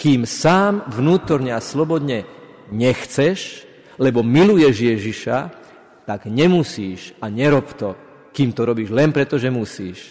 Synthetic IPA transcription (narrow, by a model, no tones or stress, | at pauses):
kiːmsaːmvnuːt̪ɔɾɲɛaslɔbɔd̪ɲɛ | ɲɛxt͡sɛʃ | lɛbɔmilujɛʒjɛʒiʃa | t̪aɡɲɛmusiːʃaɲɛɾɔpt̪ɔ | kiːmt̪ɔɾɔbiːʒlɛnpɾɛt̪ɔʒɛmusiːʃ